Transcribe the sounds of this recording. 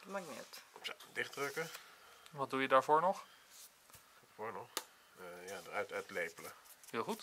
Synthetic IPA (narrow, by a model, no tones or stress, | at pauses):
maɡnɛ̰tpsodɪχdrɵkəʋɑt̚dujədaːɹvʊːɹnɔχ | foːɹnɔχ | jaːdərœtœɥtlejpələ | hɪːlˠχut